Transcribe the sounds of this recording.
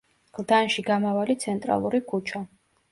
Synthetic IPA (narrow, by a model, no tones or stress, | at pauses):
ɡ̥lˠd̪anʃiɡamavalit̪sʰɛnt̪ʼɾa̰lˠuɾikʰut͡ʃʰa